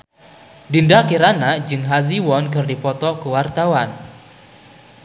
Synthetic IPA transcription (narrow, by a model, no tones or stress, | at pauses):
dindakiɾanaʔd͡ʒɨŋɦaziwɔnkɨrdipɔt̪ɔkuwart̪awan